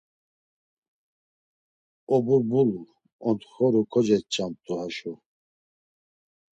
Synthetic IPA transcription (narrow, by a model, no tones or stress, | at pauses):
ɔbuɾbulu | ɔnt̪xɔɾukʰɔd͡ʒɛt̪̚t͡ʃʼamt̪ʼuhaʃu